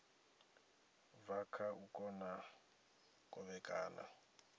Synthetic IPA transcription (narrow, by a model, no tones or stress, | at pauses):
vakʰaʔukʼɔna | kʼɔβɛkʼaːnʔa̰